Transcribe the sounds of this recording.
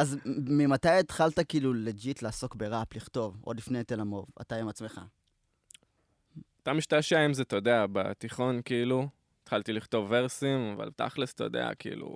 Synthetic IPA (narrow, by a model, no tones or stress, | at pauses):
azmimat̪ajet̪χaltakiːluled͡ʒitlaːso̞kbeʁapliχt̪o̞vo̞̰lifnejt̪elamo̞̰va̰t̪aimat͡sme̞χa̰ | ot̪amiʃtaʃaimzet̪od̪eaba̰t̪iχo̞nkiilu | et̪χalt̪iliχt̪oveʁsimava̰lt̪a̰χlest̪od̪ḛa̰kiḭlṵ